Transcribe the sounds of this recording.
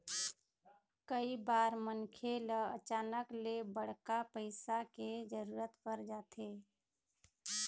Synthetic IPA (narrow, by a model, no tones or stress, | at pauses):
kəibaːɾmənkʰeləə̰t͡ʃaːnəklebəɽ̤kapəɪsaked͡ʒəɾuːɾət̪kəɾd͡ʒaːt̪eː